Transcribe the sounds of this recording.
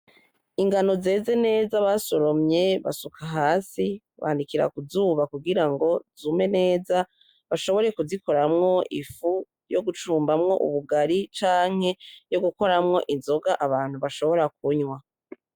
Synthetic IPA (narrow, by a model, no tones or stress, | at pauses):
iŋɡano̞ze̞ːze̞ne̞ːzaβaso̞ɾo̞mɲe̞βa̰sukʰaɦaːsi | βa̰ːndikiɾa̰kuzuːβakuɡiɾaŋɡo̞zume̞ne̞ːza | βaʃo̞βo̞ɾe̞kuziko̞ɾamŋo̞ʔḭfu | jo̞ɡut͡ʃuːmbamŋo̞̰ʔṵβuɡaɾit͡ʃaːŋ̥e̞jo̞ɡuko̞ɾamŋo̞ʔinzo̞ɡaʔaβaːn̥huβaʃo̞βo̞ɾak̚uɲwa